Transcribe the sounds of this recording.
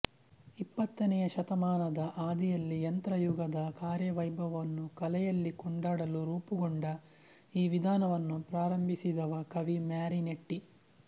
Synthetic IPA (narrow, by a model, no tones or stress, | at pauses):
ipːɐt̪ːɐnɛjɐʃɐt̪ɐmaːnɐd̪ɐʔaːd̪ijɐlːijɐnt̪ɾɐjuɡɐd̪ɐkaːɾjɐʋɐjbʱɐʋɐnːukɐlɛjɐlːikɔɳɖaːɽɐluɾuːpuɡoɳɖɐ | iːʋid̪ʱaːnɐʋɐnːupɾaːɾɐmbʱisid̪ɐʋɐkɐʋimaːɾineʈːi